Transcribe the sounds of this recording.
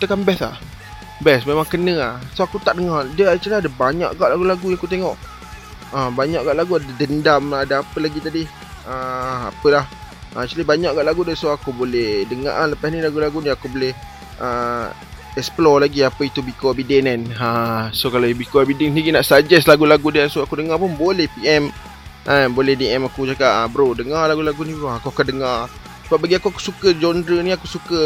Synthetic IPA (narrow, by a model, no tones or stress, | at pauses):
t̪əkanbɛsa̰ʔ | bɛsmemãŋkənə̃asoakut̪aʔdəŋadəat͡ʃalaadəbaɲa̰ʔɡaʔlaɡulaɡujãŋakut̪eŋɔʔ | əbaɲaʔɡaʔlaɡuadədəndamadəapəlaɡit̪adi | əa̰pəlahʔət͡ʃalibaɲaʔɡaʔlaɡudəsoakubolɛhdəŋa̰ʔaləpasnilaɡulaɡuniakubolɛh | ʔə | ɛksplɔlaɡiapəit̪ubikoabidɛnɛnəsokalobikoabidɛŋniɡinaʔsad͡ʒɛslaɡulaɡudiasoakudəŋapʊnbolɛhpiɛm | ʔənbolɛhdiʔɛmakud͡ʒakaʔəbəɾodəŋalaɡulaɡunĩakuakandəŋar | səbap̚baɡiakuaku̥sukəd͡ʒɔndɾəniakusukə